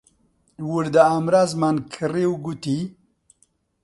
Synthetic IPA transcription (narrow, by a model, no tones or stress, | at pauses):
wuɾd̪aamɾazmankʰəɾewɡut̪i